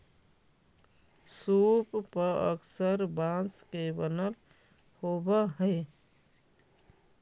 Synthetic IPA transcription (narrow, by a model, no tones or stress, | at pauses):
suppəə̰ksəɾbãskebənəl | hobəɦəɪ